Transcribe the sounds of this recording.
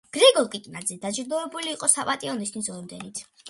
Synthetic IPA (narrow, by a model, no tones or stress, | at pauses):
ɡ̥ɾɛɡɔlˠkʼik̪ʼinad̪zɛd̪ad͡ʒɾd̪ɔɛbuliːqʼɔsapʼat̪ʼiɔnist̪ʰwisɔmd̪ɛnit̪ʰ